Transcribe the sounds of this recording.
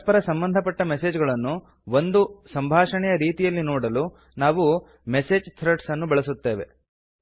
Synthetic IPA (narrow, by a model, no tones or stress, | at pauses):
pɐɾɐsɐmbɐnd̪ʱɐpɐʈːɐmeseːd͡ʒɡɐɭɐnːu | ʋond̪usɐmbʱaːʂɐɳɛjɐɾiːt̪ijɐlːinoːɽɐlu | naːʋu | meseːd͡ʒt̪ʰɾeʈsɐnːubɛɭɐsut̪ːe̞ːʋe̞̰